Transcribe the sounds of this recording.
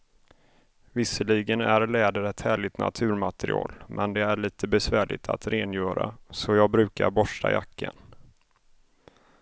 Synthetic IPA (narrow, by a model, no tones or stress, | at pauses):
vɪsəliːɡənæɾlɛːd̪əɾɛt̪hæːɭɪt̪na̰t̪ʰʉ̟ːɾmat̪ɛɾɪɑ̰ːlmʔɛnd̪ɛæɭiːt̪ʰəbɛsvæːɭɪ̰t̪ʰat̪ɾeːnjœːɾasɔjɑːɡ̚bɾʉ̟ːkaɾbɔʂʈaja̰kʰːən